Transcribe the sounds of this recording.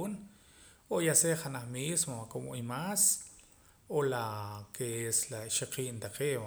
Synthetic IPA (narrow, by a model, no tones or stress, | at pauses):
n | ojaseχanaχmismoakomoimas | olakeeslaʃaqiːnt̪aqeːa